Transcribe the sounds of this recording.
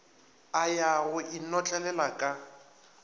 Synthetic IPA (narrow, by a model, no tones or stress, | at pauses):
ajaɣʊʔinɔt͡ɬʼɛlɛlakʼa